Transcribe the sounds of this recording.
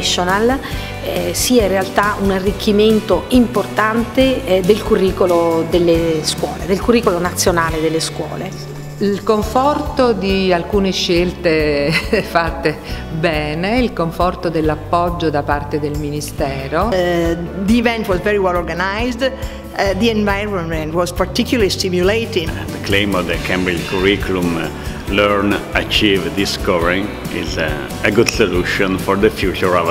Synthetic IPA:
ʃːonal | siːaĩnrːealt̪aunarːikʰːiment̪oimport̪ant̪ed̪elkurːiːkolod̪elːeskwɔːled̪elkurːiːkolonat̪sːjonaːled̪elːeskwɔ̰ːle | ilkoɱfɔrt̪od̪ialkuːneʃːelt̪e | fat̪ːe | bɛːneilkoɱfɔrt̪od̪elːapːɔd͡ʒːod̪apart̪ed̪elminist̪ɛːɾo | d̪iːvɛ̃ntwɔzvɛɹiwɛlɔɾɡanajzd̪ | d̪iɛ̃ɱvajɹə̃nmɛ̃ntwɔzpaɾt̪ikjuləɾistimjulejt̪ĩŋ̃d̪əklẽjmɔvd̪əkʰɛ̃mbilkʰuɾikulum | løɾnat͡ʃivd̪iskɔvɛɾĩŋ | ḭz | əɡud̪soluʃɔ̃nfɔɾd̪əfjut͡ʃuɹɔv

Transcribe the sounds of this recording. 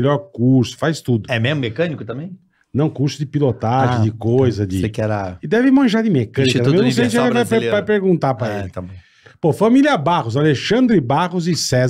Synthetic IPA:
ʎɔɾkuɾsʊ̥fajst̪ud̪ʊɛmezmʊmekɐ̃nikʊt̪ɐ̃mbẽj̃ | nɐ̃w̃kuɾsʊd̪ɪpilot̪aʒɪ̃d̪ɪkojzɐd̪ɪekɛɾaɪd̪ɛvɪmɐ̃ʒaɾd̪ɪmekɐ̃nikɐũj̃ñsej̃skvajeajpeɾɡũnt̪apɾɐeɪt̪ɐ̃bõ | pofɐmiliɐbaʁʊz̬aleʃɐ̃nd̪ɾɪbaʁʊzɪsɛz

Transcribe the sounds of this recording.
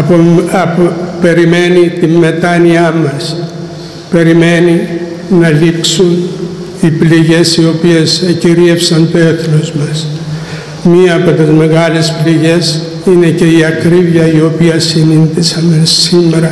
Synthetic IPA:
ɐpoɐpope̞ɾime̞nit̪imːe̞t̪ɐniɐmɐs | pe̞ɾime̞niː | ɐliksun | ipliʝe̞sio̞pie̞sciɾiefsɐnt̪oe̞θlozmɐs | miɐːpo̞t̪izme̞ɣɐle̞spliʝe̞s | ine̞ce̞iɐkɾivjɐio̞piɐsininðisɐnesimːeɾɐ

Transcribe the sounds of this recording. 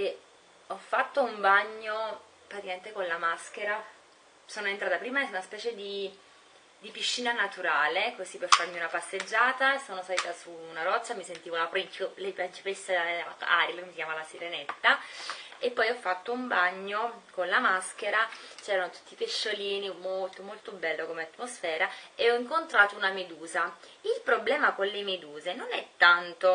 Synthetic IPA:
e | ɔfːat̪ːoumbaɲːo | pɾat̪ikament̪ekonlamask̟eɾa | soːnoent̪ɾaːt̪apɾiːmaɛnunaspɛːt͡ʃed̪i | d̪ipiʃːiːnanat̪uɾaːlekozipːefarmiunapasːed͡ʒːaːt̪asoːnosaliːt̪asuːnaɾɔt͡ʃːamisent̪iːvolapikiolɛjpet͡ʃi̥pesːea̰ɾilekomːisikjamalasiɾenet̪ːa | epːɔjɔfːat̪ːoumbaɲːokonlamaskeɾat͡ʃɛːɾanot̪u̥t̪ːipeʃːoliːnimolt̪omolt̪obɛlːokomeat̪ːmosfɛːɾaeɔiŋkont̪ɾaːt̪ounamed̪uːzailpɾoblɛːmakonlemed̪uːzenonɛt̪ːant̪o

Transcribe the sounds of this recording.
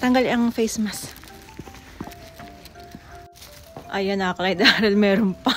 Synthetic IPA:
t̪ɐŋɡɐlɐŋfejsmɐs | ʔɐjɐnɐkɐlɐjd̪aːhɪlmɛːɾonpɐ

